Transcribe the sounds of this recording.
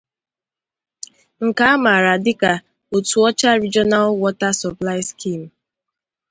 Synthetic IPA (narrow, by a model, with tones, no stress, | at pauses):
ŋ̩˨ka˨˦a˦ma˨ɾa˨dɪ˦ka˨ | o˨tu˨ɔ˦t͡ʃa˦ɾi˦d͡ʒɔ˦na˦lwɔ˦ta˦sɔ˨pla˦ɪ˦ski˦˨m̩˨